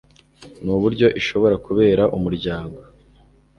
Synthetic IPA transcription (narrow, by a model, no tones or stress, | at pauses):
nuβuɾɟo̞ʔiʃo̞βo̞ɾakuβe̞ːɾaʔumuɾɟaːŋɡo̞